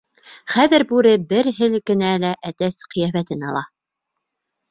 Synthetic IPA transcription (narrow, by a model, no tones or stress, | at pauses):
χæðɘɾbʉɾɘbɘɾɦɘlkɘ̆nælæʔæt̪æsqɤ̆jæfæt̪ɘnɑlˠɑ